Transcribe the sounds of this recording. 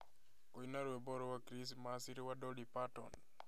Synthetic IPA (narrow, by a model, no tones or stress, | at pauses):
kɔinaɾwɛbɔɾɔwakɾis̬masiɾwadɔlipatɔ̰n